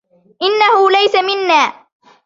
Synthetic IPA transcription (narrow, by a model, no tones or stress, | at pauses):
ʔɪnːahʊlajsamɪnːaː